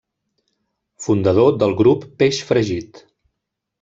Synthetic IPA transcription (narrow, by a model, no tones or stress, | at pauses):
fund̪əðod̪əlˠɣɾupːeʃfɾəʒit̪